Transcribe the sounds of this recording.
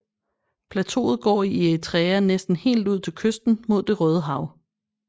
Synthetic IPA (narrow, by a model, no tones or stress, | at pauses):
pʰlæt͡sʰo̝̰ːð̞̩ˠɡ̥ɒ̰ːiet͡sʰʁɛːɐnesd̥n̩he̝̰ːld̥uð̰ˠt͡sʰe̝lkʰøsd̥n̩mo̝ð̞̰ˠd̥e̝ʁœːð̞ˠəɦɑ̈ʊ